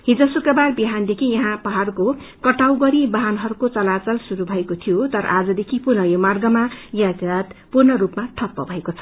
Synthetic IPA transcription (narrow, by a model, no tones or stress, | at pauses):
ɦid͡zʌsukrʌbarbiɦand̪ekʰijʌɦãpʌɦarko | kʌʈawɡʌɾibʌɦanɦʌɾukot͡sʌlat͡sʌlsuɾubʱʌekot̪ʰijot̪ʌɾʌ̰ʔad͡zʌd̪ekʰipurnʌjomarɡʌmajat̪at̪purnʌrupmaʈʰʌpːʌ̰bʱʌekot͡sʰʌ